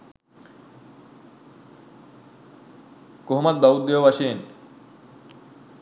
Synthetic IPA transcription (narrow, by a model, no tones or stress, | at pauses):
koɦmad̪̚b̪aud̪̚d̪eobaʃen